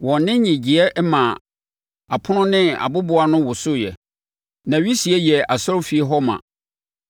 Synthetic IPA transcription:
wɔ̃˨nnɪ̃˦ɲɪ̃˨d͡ʑi˨ɛ˦ʔmã˨ | a˨pʰʊ˦nʊ̃˦nɪ̃˦a̰˨bʊ˦bʊ˨a˨nʊ̃˦wʊ˨sʊ˦jɛ̰˨ | nã˨ɥi˦si˨ɛ˦jɛ˨a˨sɔ˦fi˨˦e˦ɦɔ˦mã̰˨

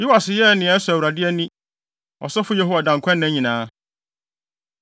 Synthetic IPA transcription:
jɪ˦wa˨sɪ˨jɛ˦˨nɪ̃˨ɛ˦sʊ˨æ˨wɾa˨dɪ˦ɛ˦nĩ˦ | ɔ̰˨sɔ˦fʊ˦je˦ɦo˦wa˨dã˨ŋkʷʰɛ̃˦nːɛ̃˦ɲĩ˨nãː˨˦

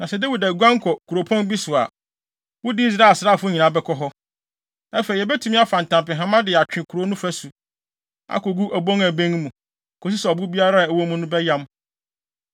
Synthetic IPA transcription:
nã˨sɛ˦de˦wi˨dæ˨ɡʷã˦ŋ˦kʰɔ˨kʰu˨ɾo˨pʰɔ̃˦nbi˦sʊ˨a̰˨ | wʊ˦dɪ˦i˦s̬ɾa˦˨sɾaː˦˨fʊ˦ɲĩ˨nã˨bɛ˦kʰɔ˦ɦɔ˦ | æ˦fe˨i˨ɛ˨bɛ˦tʰũ˨˦m˦a˦fã˨n̩˨tʰã˨mpɪ̃˨ɦã˦mã˦dɪ˨a˨t͡ʃᶣɪ̃˨kʰu˨ɾo˦nʊ̃˦fæ˦su˨ | a̰˦ko˨ɡu˦ʔæ˨bõ˦ŋæ˨bẽ˦ŋ˦mũ˨ | kʰo˨s̬i˦sɛ˨ɔ˨bʊ˦bi˦a˦ɾa˦˨æ˨wo˦mũ˦nʊ̃˦bɛ˦jã˦m

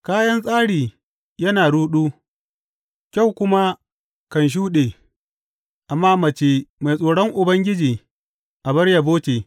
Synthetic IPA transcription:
kaː˦jɐ˦nsʼaː˦ɽiː˨ | jɐ˦naː˨ɽuː˦ɗuː˦ | kʲa˦˨wkʷʊ˦ma˦ | kɐ˨nʃ̬uː˦ɗeː˨ | ʔa˨mːaː˦mɐ˨t͡ʃe˦ma˨jsʼoː˨ɽɔ˦ŋʔʊ˨bɐ˦ŋɡʲɪ˦d͡ʒiː˨ | ʔa˨bɐ˦rja˨boː˦t͡ʃʲeː˨

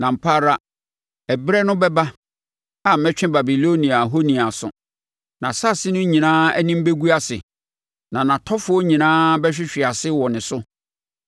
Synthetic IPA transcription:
nã˨m̩˨pʰa˦ɾa˦ | ɛ˨bɾɛ˦nʊ̃˦bɛ˦ba˦ | a˨m̩˨mɛ̃˦t͡ɕᶣɪ̃˦ba˨bi˨lo˦nĩ˨a˨ɦo˦nĩ˨a˨sʊ̰˨ | nã˨sa˦˨sɪ˦nʊ̃˦ɲĩ˨nãː˦ɛ̰˦nĩ˦m̩˦be˦ɡu˦a˦sɪ̰˨ | nã˨nã˨tʰɔ˦fʊ˦ɔ˦ɲĩ˨nãː˦bɛ˦ɕᶣɪ˦ɕᶣɪ˨a˨sɪ˦wɔ˨nɪ̃˨sʊ˦

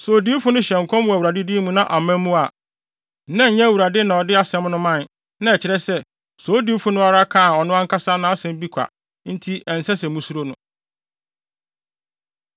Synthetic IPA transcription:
so˨di˦fʊ˦nʊ̃˦ɕɛ̃˨ŋ̩˨kʰɔ̃˦m˦wæ˨wu˨ɾa˨dɪ˦di˦mũ˦nã˦ʔa˨mæ̃˦mũ˦a˨˦ | nã˦ɲ̩˦ɲɛ̃˦˨wu˨ɾa˨dɪ˦nã˨ɔ˨dɪ˦a˦sɛ̃˦mnʊ̃˦mã˦˨n | nã˦ɛ˨t͡ɕʰɪ˨ɾɛ˦sɛ˦ | so˨˦di˦fʊ˦nʊ̃˦a˦ɾa˦kʰã˦˨ɔ˨nʊ̃˦ã˦ŋ˦kʰa˦sa˦nã˦sɛ̃˦m̩˦bi˦kʷʰa̰˨ | n̩˦tʰi˦ʔɛ˨n̩˨sɛ˦sɛ̃˨mũ˦su˦ɾo˦nʊ̃˦

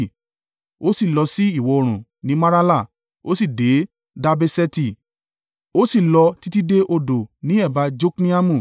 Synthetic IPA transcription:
o˦si˦˨lɔ˧si˦i˦˨wɔ˨˧o˧ɾ̃ũ˨nĩ˨˦ma˦ɾa˦la˦˨ | o˦si˦˨de˨˦ | da˧be˧sɛ˦ti˦˨ | o˦si˦˨lɔ˧ti˦ti˦de˦ʔo˧do˨nĩ˨˦ɛ˦˨ba˧d͡ʒo˦knĩ˦a˦mũ˦˨

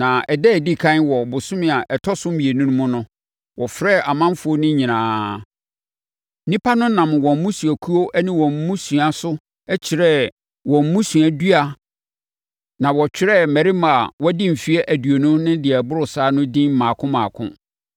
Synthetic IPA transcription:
nã˨ɛ˨dɛ˦˨di˦kʰã˦nwɔ˨bʊ˨sʊ̃˦mɪ̃˨a˨ʔɛ˨tʰɔ˦sʊ̃˦m̩˦mĩ˨e˨nũ˦nʊ̃˦mʊ̃˦nʊ̃˦ | wɔ˨fɾɛ˦˨a˨mã˦m˦fʊ˨˦o˦nʊ̃˦ɲĩ˨nãː˨˦ | nĩ˦pʰa˦nʊ̃˦nã˨m˨wɔ̃˨m̩˦mũ˦su˨æ˨kʰu˦o˦ʔɛ˦nɪ̃˦wɔ̃˨m̩˨˦mũ˦su˨a˨sʊ˦ | ɛ˦t͡ɕʰɪ˨ɾɛ˦ | wɔ̃˨m̩ː˨˦ũ˦sũ˨æ˨dɥa˨ | nã˨wɔ˨t͡ɕᶣɪ˦ɾɛ˦˨mæ˨ɾi˦m˨a˨wɔ˦dɪ̃˦m̩˨fi˦ɛ˦ʔæ˨dɥo˨nʊ̃˦nʊ̃˦dɪ˨ɛ˨bʊ˦ɾʊ˨saː˦nʊ̃˦dɪ̃˦nm̩˨mãː˨kʰʊ̃˦mãː˨kʰʊ̰̃˦

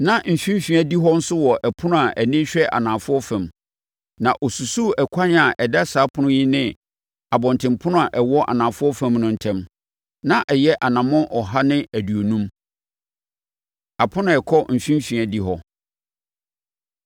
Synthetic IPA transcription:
nã˦m̩˨fĩ˦m˦fĩ˨æ˨di˦ɦɔ˦n̩˦sʊ˦wɔ˨ʔɛ˨pʰʊ˦nʊ̃˦a˨ʔæ˨nĩ˦ɕᶣɛ˦ʔa̰˨nãː˨fʊ˦ɔ˦fæ̃˨m | nã˨ʔɔ˨su˨su˦ɛ˨kʷʰa˦n˦a˨ʔɛ˨dɛ˦saː˨˦pʰʊ̃˦nʊ̃˦ji˦nɪ̃˦ | a˨bɔ̃˨ntʰɪ̃˨mpʰʊ˦nʊ̃˦a˨ʔɛ˨wɔ˦ʔa̰˨nã˨fʊ˦ɔ˦fã˦mnʊ̃˦n̩˨tʰɛ̃˦m | nã˦ʔɛ˨jɛ˦ʔa˨nã˨mʊ̃˦nʔɔ˨ɦa˦nɪ̃˦æ˨du˨o˨nũ˦m | a˨pʰʊ̃˦nʊ̃˨ɛ˨kʰɔ˦m̩˨fĩ˦m˦fĩ˨æ˨di˦ɦɔ˦

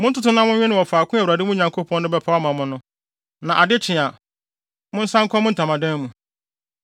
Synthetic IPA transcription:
mʊ̃˦n̩˦tʊ˦tʊ˦nã˦mʊ̃˦ɲɲᶣɪ̃˦nɪ̃˨wɔ˨faː˨kʰʊ̃˦a˨wa˨dɪ˦mũ˦˨ɲã˨ŋkʰo˦pʰɔ̃˦nʊ̃˦bɛ˦pʰa˦a˦mã˨mʊ̃˦nʊ̃˦ | nã˨ʔa˨dɪ˦t͡ɕʰɪ̃˨a˨ | mʊ̃˦n̩˦sã˦ŋ̩˦kʰɔ˦mʊ̃˦n̩˨tʰã˨mã˨dɛ̃˦n˦mũ˨

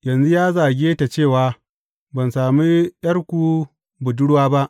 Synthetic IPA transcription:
jɐ˨nzu˦jaː˦zaː˨ɡʲe˦ta˨t͡ʃeː˦˨waː˨ | bɐ˨nsaː˨mi˦j̰ɐ˦ɽkʷu˨ | bʊ˨dʊ˦ɽwaː˦ba˦ʔ

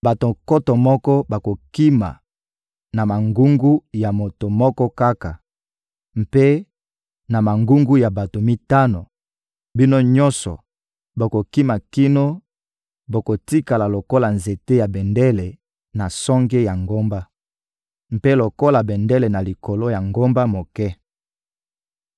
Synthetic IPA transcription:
ba˨to˨ko˦tɔ˨mɔ˦kɔ˦ba˨ko˨ki˦ma̰˨ | na˨ma˨ŋɡu˦ŋɡu˦ja˨mo˨to˨mɔ˦kɔ˦ka˦ka˨ | m˨pe˦ | na˨ma˨ŋɡu˦ŋɡu˦ja˨ba˨to˨mi˦ta˦no˨ | bi˦no˦ɲɔ̃˦nsɔ̰˨ | bo˨ko˨ki˦ma˨ki˦no˦ | bo˨ko˨ti˦ka˨la˨lo˨ko˦la˨nze˨te˦ja˨bɛ˨ndɛ˦lɛ˨ | na˨sɔ˦ŋɡe˦ja˨ŋɡo˦mba˦ | m̩˨pe˦lo˨ko˦la˨bɛ˨ndɛ˦le˨na˨li˨ko˨lo˦ja˨ŋɡo˦mba˦mo˨kɛ˦

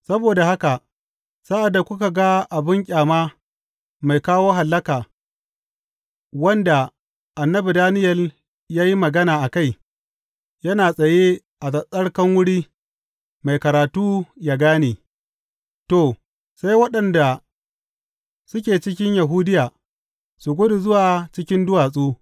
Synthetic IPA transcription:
sɐ˦boː˨da˨ha˦ka˨ | saː˦ʔa˨da˨kʷʊ˦ka˨ɡa˦ʔa˨bɪ˦ŋkʲʼaː˨maː˦ | ma˨jkaː˦woː˦ɦa˨lːɐ˦kaː˨ | wɐ˦nda˨ | ʔa˨nːɐ˦bi˨daː˦nɪ˦jɐ˨l | jaː˦ji˦mɐ˨ɡɐ˦naː˨ʔa˨ka˦˨j | jɐ˦naː˨sʼɐ˨je˦ | ʔa˨sɐ˨sʼɐ˦ɽkɐ˦ŋwʊ˦ɽiː˦ | ma˨jkɐ˨ɾaː˨tuː˦jaː˦ɡaː˦neː˨ | to˨ | sa˦jwɐ˦ɗɐ˨nda˨ | sʊ˦kʲeː˨t͡ʃɪ˦kʲɪ˦ɲja˨ɦuː˦dɪ˦jaː˨ | su˨ɡʷʊ˦du˨zʊ˦waː˨t͡ʃɪ˦kʲɪ˦ndʊ˦waː˨sʼuː˦

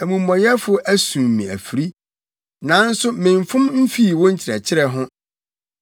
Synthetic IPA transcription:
æ˨mũ˨mːɔ̃˨jɛ˦fʊ˦ʔæ˦sũ˨ñ˨mːĩ˨æ̰˨fi˨ɾi˦ | nã˨˦n̩˦sʊ˦mɪ̃˨ɱ˨fʊ̃˦mm̩˦fiː˦˨wɔ̃˦ɲ̩˦t͡ɕʰɪ˨ɾɛ˨t͡ɕʰɪ˦ɾɛ˨ɦʊ̃˦

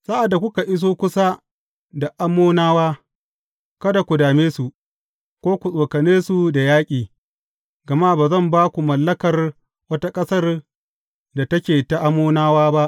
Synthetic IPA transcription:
saː˦ʔa˨dːa˨kʷʊ˦ka˨ʔɪ˦s̬oː˦kʷʊ˦sa˦ | da˨ʔa˦mːoː˦naː˦waː˦ | kɐ˦da˨kʷu˨daː˨meː˦su˨ | kʷoː˦kʷu˨sʼoː˨kɐ˨neː˦su˨da˨jaː˦kʲʼiː˨ | ɡɐ˨ma˦baː˨zɐ˦˨mbaː˦kʷu˨mɐ˨lːɐ˦kɐ˨r | wɐ˦ta˦kʼɐ˦sɐ˦r | da˨tɐ˦kʲeː˨ta˦˨ʔa˦mːoː˦naː˦waː˦ba˦ʔ

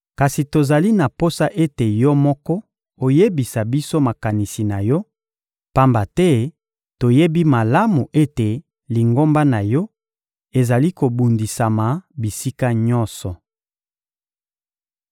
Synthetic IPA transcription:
ka˨si˨to˨za˨li˦na˨po˦sa˦ʔe˦te˨jɔ˦mɔ˦kɔ˦ | o˨je˦bi˨sa˨bi˦so˦ma˨ka˨ni˨si˨na˨jɔ˦ | pa˦mba˨tɛ˦ | to˨je˦bi˦ma˨la˦mu˨ʔe˦te˨ | li˨ŋɡo˦mba˦na˨jɔ˦ | e˨za˨li˦ko˨bu˨ndi˨sa˨ma˨bi˨si˦ka˦ɲɔ˦nsɔ˨

